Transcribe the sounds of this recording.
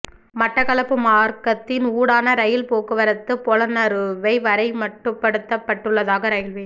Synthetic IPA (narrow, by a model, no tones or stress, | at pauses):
mɐʈrɐkɐɭɐpːɯmaːɾkɐt̪ːɪnuːɽaːnɐɾɐjɪlpoːkɯʋɐɾɐt̪ːɯpɔlɐnɐɾɯʋɐɪʋɐɾɐɪmɐʈːɯpːɐɽɯt̪ːɐpːɐʈːɯɭːɐðaːɣɐɾɐjɪlʋe